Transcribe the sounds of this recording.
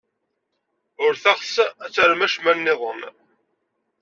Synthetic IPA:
ʊɾθaʁsæt͡sːəɾmæʃmænːɪðˤəm

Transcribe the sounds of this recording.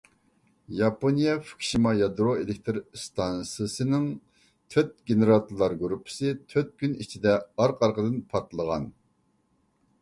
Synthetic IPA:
jɑponijɛfu̥kʲʰʃimɑjɑd̪ɾoelɪk̚ʲt̪ʰɨɾst̪ʰɑnsɨsɨnɨŋ | t̪ʰøt̪̚ɡʲeneɾɑt̪ʰuɾlˠɑɾɡuɾupʰːɪ̥sɨt̪ʰøt̪̚kʲynit͡ʃʰid̪ɛɑɾqʰɑɾqəd̪ɨnpʰɑɾt̪lˠəʁɑn

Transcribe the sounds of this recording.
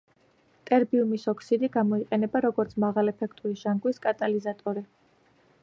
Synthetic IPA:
t̪ʼɛɾbiumisɔkʰsid̪iɡamɔiqʼɛnɛbaɾɔɡɔɾt̪sʰmaʁalɛpʰɛkʰt̪ʼuliʒaŋɡwiskʼat̪ʼalizat̪ʼɔɾi

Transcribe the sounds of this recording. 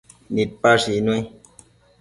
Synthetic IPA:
nit̚paʒinwɛ̃

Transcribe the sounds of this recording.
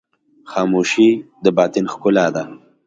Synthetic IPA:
xɑːmuʃid̪əbɑːt̪ɪnxkʊlɑd̪a

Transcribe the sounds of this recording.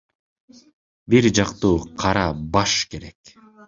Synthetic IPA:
biɾd͡ʒɑqt̪uːqʰɑɾɑbɑʃke̞ɾe̞k

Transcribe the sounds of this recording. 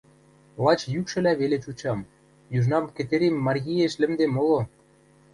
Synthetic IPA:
lɑt͡ɕjykʃɘ̆læβelet͡ɕut͡ɕɑm | jyʒnɑmkĕt̪eɾʲemːɑrɣʲieʃlɘ̆md̪emolo

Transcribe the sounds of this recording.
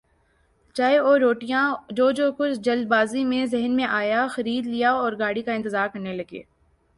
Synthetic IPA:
t͡ʃaːeɔːɾːoːʈijãd͡ʒoːd͡ʒoːkʊt͡ʃʰd͡ʒɐld̪̚baːzimẽzɛɦənmẽʔaːjaxɐɾiːd̪lijaɔːɾɡaːɽikaɪ̃nt̪ɪzaːɾkɐɾnelɐɡḛː

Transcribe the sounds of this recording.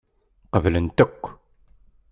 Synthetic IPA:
qəvlənt̪əkʷː

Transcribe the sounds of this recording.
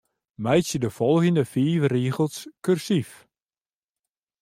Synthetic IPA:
mɛjsjədəfɔlˠɣəndəfiːʋəriːɣəlˠskørsif

